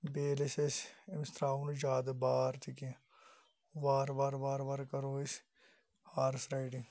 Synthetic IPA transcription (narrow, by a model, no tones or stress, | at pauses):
beːlesesɪmst̪ɾaːund͡ʒaːd̪baːɾt̪ʰikĩ | ʋaːɾʋaːɾʋaːɾʋaɾkɐɾoːɪs | haːɾsɾaːɪʈiŋ